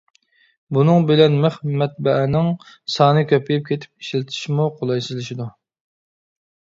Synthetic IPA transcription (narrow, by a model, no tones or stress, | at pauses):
bunɨŋbɪlɛnmɪχmɛt̪̚bɛʔɛnɪŋ | sɑːnɨkʲʰøpjip̚kʲʰet̪ʰɪ̥p̚i̥ʃlɪt̪ʰɪ̥ʃmuqʰolˠɑjsɨzlɪʃid̪u